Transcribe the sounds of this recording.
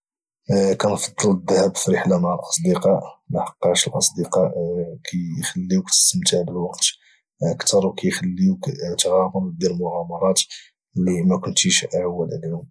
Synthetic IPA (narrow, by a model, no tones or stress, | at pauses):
kænfɑd̪ˤːɑləd̪ːəhæbfɾəħlamaʕəlʔɑsˤd̪iqɑʔmaħɑ̥qːɑʃəlʔɑsˤd̪iqɑʔkʰæjxəlːiwkt̪ə̥səmt̪hd̪əlwɑqt̪ | ʔəkt̪ɑɾˤwkæjxælːiwkt̪ɣæmɑɾd̪iɾlmʊʕɑmɑɾˤɑt̪ | əlːimækʊnt̪iʃʔaʕawːəlʕlihʊm